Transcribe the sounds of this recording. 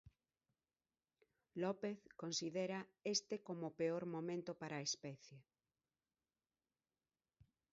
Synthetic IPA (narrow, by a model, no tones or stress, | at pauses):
lɔpeθkonsiðeɾaest̪ekomopeoɾmomẽnt̪opaɾaːespɛθje